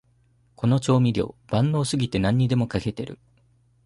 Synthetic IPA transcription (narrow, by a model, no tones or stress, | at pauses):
ko̞no̞t͡ɕo̞ːmʲiɾʲo̞̰ːb̥ãnːo̞ːsɨɡʲit̪e̞nãɲ̟ːid̪e̞mo̞kake̞t̪e̞ɾɯ̟̰